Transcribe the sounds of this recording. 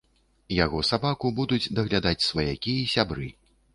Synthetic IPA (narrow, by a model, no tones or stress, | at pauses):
jaɣɔsabakubud̪ud͡zʲd̪ɐɣlʲad̪at͡sʲsvɐjakʲiisʲabɾɨ